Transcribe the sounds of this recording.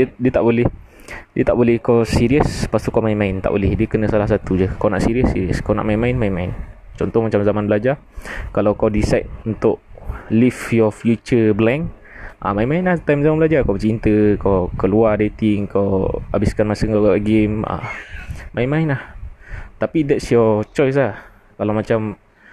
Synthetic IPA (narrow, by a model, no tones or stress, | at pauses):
diət̪aʔbolɛh | diət̪aʔbolɛhkawsiɾiəspast̪ukawmainmaɪnt̪aʔbolɛhdiəkənə̃salahs̬at̪ud͡ʒəkawnaʔsiɾiəsːiɾiəskawna̰ʔmainmainmainmaint͡ʃɔnt̪ɔhmat͡ʃamzamanbəlad͡ʒa | kalawkawdisajt̪̚unt̪ʊʔlifjɔfjut͡ʃəblɛŋk | ʔa̰mainmainlaht̪ajmzamanbəlad͡ʒakawt͡ʃint̪əkawkəluadet̪iŋkawa̰biskanmasəŋkakaaɡema̰ | mainmainlaht̪apidɛtsjɔt͡ʃɔjs̬lah | kalawmat͡ʃam